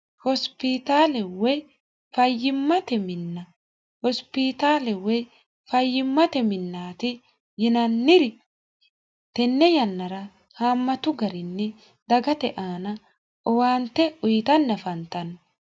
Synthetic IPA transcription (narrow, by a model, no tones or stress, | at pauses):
hɔspɪt̪aːlɛwɔj | fɐjːɪmːɐt̪ɛmɪnːɐ | hɔspɪt̪aːlɛwɔj | fɐjːɪmːɐt̪ɛmɪnːaːt̪ɪ | jɪnɐnːɪɾɪ | t̪ɛnːɛjɐnːɐɾɐ | haːmːɐt̪ʊɡɐɾɪnːɛ | d̪ɐɡɐt̪ɛʔaːnɐ | ʔɔwaːnt̪ːɛʊjt̪ɐnːɐfɐnt̪ɐn